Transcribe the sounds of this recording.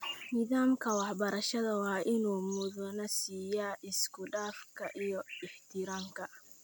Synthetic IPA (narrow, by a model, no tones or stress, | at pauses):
nɪðaːmkʰɐwɑħbɐɾɐʃɐðɐwɑːʔɪnuːmʊðʊnɐsiːjaʔɪskʰʊɖaːfkʰɐʔijɔɪħt̪ʰɪɾaːŋkʰɐ